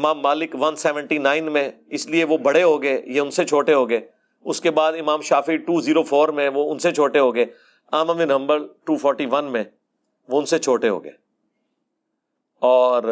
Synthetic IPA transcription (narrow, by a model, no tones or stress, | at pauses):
maːmːaːlɪkʋɐnsɛːʋə̃ɳʈinaːɪnmẽɪslieʋobɐɽeɦoːɡɐejeʊnset͡ʃʰoːʈeɦoːɡɐeː | ʊskebaːd̪ɪmãːmʃaːfiʈuːziːɾofʰoːɾmẽʋoʊnset͡ʃʰoːʈeɦoːɡɐeː | aːməminɐ̃mbəɾʈuːpʰɔːɾʈiʋɐnmẽ | ʋoʊ̃nset͡ʃʰoːʈeɦo̰ːɡə̰eː | ɔːɾ